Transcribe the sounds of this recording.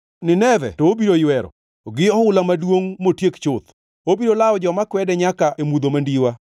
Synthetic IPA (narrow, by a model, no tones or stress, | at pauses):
nɪnɛvɛ̰tɔobiɾojwɛɾɔ̰ | ɡɪɔʊlamadwoŋmotjekt͡ʃʊt̪ | obiɾolaɔd͡ʒɔmakwɛdɛɲakaʔemud̪omandiwa